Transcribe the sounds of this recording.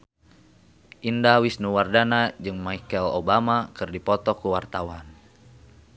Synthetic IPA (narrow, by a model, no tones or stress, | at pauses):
ʔindawisnuwardanad͡ʒɨŋmajkɛlo̰bamakɨrdipɔt̪ɔkuwart̪awan